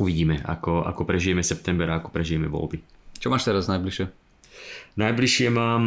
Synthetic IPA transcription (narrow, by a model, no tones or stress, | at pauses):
uʋiɟiːmɛa̰kɔa̰kɔpɾɛʒijɛmɛsɛp̚t̪ɛmbɛɾaakɔ̥pɾɛʒijɛmɛʋɔ̰lbit͡ʃɔmaːʃt̪ɛɾaznajbliʃɪɛ | najbliʃɪɛmaːm